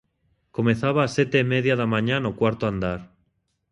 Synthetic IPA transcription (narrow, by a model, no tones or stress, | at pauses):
ko̞menθaβaːset̪eimeðjaðamãɲãnokwaɾt̪oand̪aɾ